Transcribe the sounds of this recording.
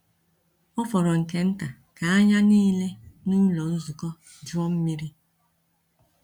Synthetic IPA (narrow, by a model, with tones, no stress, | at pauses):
ɔ˦fɔ˨ɾɔ˨ŋ̩˨ke˦n̩˦ta˨ | ka˨a˦ɲa˦niː˦le˦nu˦ɲ̩˦lɔ˨n̩˦zu˨kɔ˦ | d͡ʒu˦ɔ˦m̩˦mi˦ɾi˦